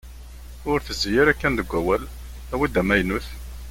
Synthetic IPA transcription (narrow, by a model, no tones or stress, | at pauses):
ʊɾθəzjɪɾækːænd̪əɡʷːæwæl | æwid̪æmæjnuθ